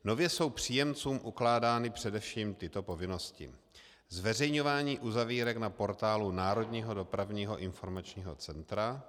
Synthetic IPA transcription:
no̞vjɛso̞wpr̥iːjɛmt͡suːmʔuklaːdaːnɪpr̥ɛdɛfʃiːmt̪ɪt̪o̞po̞vɪno̞scɪ̰ | zvɛrɛjɲo̞vaːɲiːʔuzaviːɾɛknapo̞ɾt̪aːlunaːɾo̞dɲiːɦo̞do̞pɾavɲiːɦo̞̰ʔɪnfo̞ɾmat͡ʃɲiːɦo̞̰t͡sɛnt̪ɾa

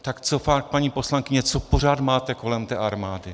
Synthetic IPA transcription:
t̪akt͡so̞fak̚paɲiːpo̞slaŋkɪɲɛt͡so̞po̞r̝aːt̪maːt̪ɛko̞lɛmt̪ɛːʔaɾmaːdɪ

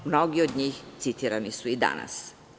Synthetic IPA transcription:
mno̞ɡiod̪ɲiːxt̪sit̪iːɾanisuid̪a̰na̰s

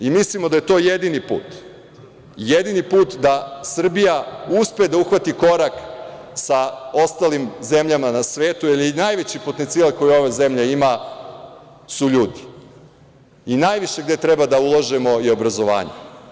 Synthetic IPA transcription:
imislimod̪ajet̪o̞ːjed̪inipṵːt̪ | jed̪inipuːt̪d̪asr̩bijauspejed̪auxʋat̪iko̞ɾak | saost̪alimze̞mʎamanasʋeːt̪uilˠinajʋe̞t͡ɕipot̪ent̪silalko̞jio̞ʋezemʎeima | suʎuːd̪i | inajʋiʃe̞ɡd̪e̞t̪ɾebad̪aulˠaʒemo̞io̞bɾazo̞ʋa̰ːɲe

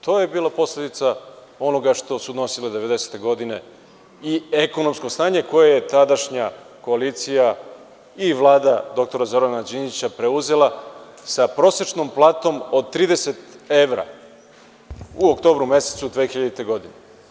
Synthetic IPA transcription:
t̪ʰo̞ːje̞biːlˠapo̞slʲe̞d̪it̪sa | o̞no̞ɡaʂt̪o̞sud̪no̞siled̪e̞ʋe̞d̪e̞se̥t̪e̞ɡo̞d̪ine̞ | ieko̞no̞mskosnaːɲeko̞jaje̞t̪ad̪aʃɲa | ko̞aliːt̪sija | iʋlˠaːd̪ad̪o̞k̚t̪o̞ɾazo̞ɾanad͡ʒinit͡ɕapɾe̞uze̞la | sapɾo̞se̞t͡ʃno̞mplˠaːt̪o̞mod̪̚t̪ɾiːd̪ese̞t̪e̞ʋɾa̰ | uokt̪o̞ːbɾume̞set̪sud̪ʋexiʎad̪it̪e̞ɡo̞d̪ine

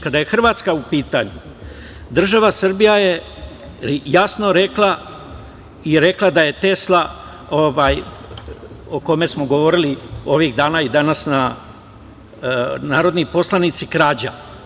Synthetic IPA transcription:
kad̪aje̞xr̩ʋaːt̪skaupiːt̪aɲu | d̪r̩ʒaʋasr̩bijaje̞ | jasno̞ɾe̞klˠa | iɾe̞klˠad̪aje̞t̪e̞slˠa | oʋaːj | oko̞me̞smo̞ɡo̞ʋo̞ɾilio̞ʋiɣd̪aːnaid̪anasna | naːɾo̞d̪nipo̞slˠanit̪sikɾaːd͡ʑa̰

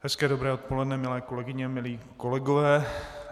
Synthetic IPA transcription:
hɛskɛːdobɾɛːot̪̚polɛdnɛmɪlɛːko̞lɛɡɪɲɛmɪliːkolɛɡovɛː

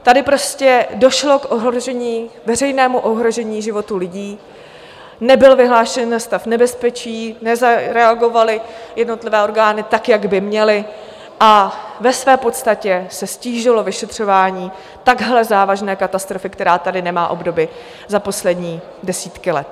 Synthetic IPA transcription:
t̪adɪpɾo̞scɛdo̞ʃlo̞kʔoɦɾoʒɛɲiːvɛrɛjnɛːmuʔo̞ɦɾo̞ʒɛɲiːʒɪvo̞t̪ulɪɟiː | nɛbɪlvɪɦlaːʃɛnːast̪afnɛbɛspɛt͡ʃiːnɛzaɾɛaɡo̞valɪjɛdno̞t̪lɪvɛːo̞ɾɡaːnɪt̪akjaɡbɪmɲɛlɪ | ʔavɛsvɛːpo̞t̪st̪acɛsɛsciːʒɪlo̞vɪʃɛt̪r̝̥o̞vaːɲiː | t̪aɡɦlɛzaːvaʒnɛːkat̪ast̪ɾo̞fɪkt̪ɛɾaːt̪adɪnɛma̰ːʔo̞bdo̞bɪ | zapo̞slɛdɲiː | dɛsiːt̪kɪlɛ̰t̪̚

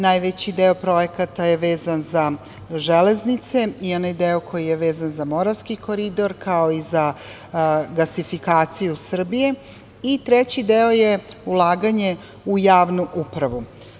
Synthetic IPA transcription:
najʋet͡ɕid̪eo̞pɾo̞jekat̪ajeʋeːzanza | ʒeleznit̪se̞io̞najd̪eokʰojijeʋeːzanzamo̞ɾaʋskikoɾid̪o̞ɾkaoiza | ɡasifikaːt̪sijusr̩bije | it̪ɾet͡ɕid̪eojeulˠaːɡaɲe̞ | ujaːʋnuʔupɾaʋu

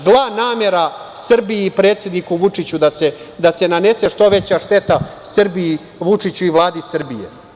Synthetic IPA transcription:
zlˠanaːme̞ɾa | sr̩biiːpɾe̞ːt̪sʲjed̪nikuʋut͡ʂit͡ɕud̪ase | d̪ase̞nane̞se̞ʂt̪o̞ʋe̞t͡ɕaʂt̪e̞t̪a | srbii | ʋut͡ʂit͡ɕuiʋlˠaːd̪isr̩bijḛ

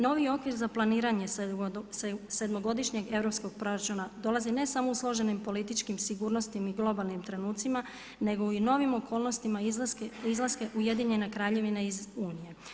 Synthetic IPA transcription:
no̞ʋio̞kʋiɾzaplˠaniːɾaɲe̞sse̞d̪mo̞ɡo̞d̪iʃɲe̞ɡe̞ʋɾo̞psko̞ɡ̥̚pɾo̞ɾat͡ʃunad̪o̞lazine̞samo̞uslˠo̞ʒe̞nimpo̞lit̪it͡ʃkimsiɡuːɾno̞st̪imiɡlˠo̞balˠnimt̪ɾe̞nuːt̪sima | ne̞ɡo̞ino̞ʋimo̞kʰo̞ːlˠno̞st̪imakizlˠaske̞ʔuje̞d̪iɲe̞nekɾaːʎe̞ʋineizuːnije

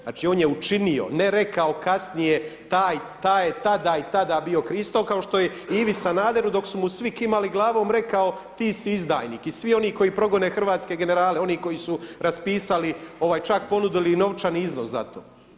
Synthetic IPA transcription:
a̰ːt͡ʃio̞ːnjeut͡ʃinio̞̰neɾe̞kao̞kasnije̞t̪aːjt̪aːjet̪ad̪ait̪ad̪aːbio̞kɾiːst̪okao̞ʃt̪o̞jeiːʋisanaːd̪e̞ɾud̪o̞ksumusʋikimaliɡlˠaːʋo̞ːmɾe̞kao̞ | t̪iːsiizd̪a̰ːjniːkisʋio̞niːko̞jipɾo̞ɡo̞nexr̩ʋaːt̪ske̞ɡe̞ne̞ɾaːleo̞niːko̞jisuɾaspiːsalio̞ʋaːjt͡ʃakpo̞nud̪ilino̞ʋt͡ʃaniiznosza̰t̪o̰ː

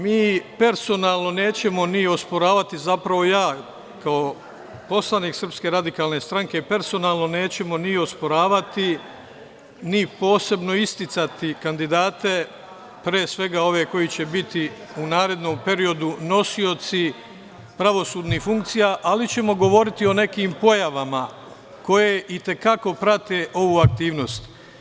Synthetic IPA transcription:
miːpe̞ɾso̞naːlˠno̞ne̞ːt͡ɕe̞mo̞nio̞spo̞ɾaːʋat̪izapɾaʋo̞jaː | kao | po̞slˠaniːksr̩pske̞ɾad̪ikaːlˠne̞st̪ɾaŋke̞pe̞ɾso̞naːlˠno̞ne̞ːt͡ɕe̞mo̞nio̞spo̞ɾaːʋat̪i | nipo̞ːse̞bno̞ist̪it̪sat̪ikand̪id̪aːt̪e̞ | pɾeːsʋe̞ɡao̞ʋe̞ko̞it͡ɕe̞bit̪iunaːɾe̞d̪no̞mpe̞ɾio̞d̪uno̞sio̞t̪si | pɾaʋo̞suːd̪nihfuŋkt̪sijaʔalit͡ɕe̞mo̞ɡo̞ʋo̞ɾit̪io̞ne̞kiːmpo̞jaʋama | ko̞je̞ʔit̪e̞kako̞pɾat̪e̞ʔo̞ʋuːak̚t̪iːʋno̞st̪

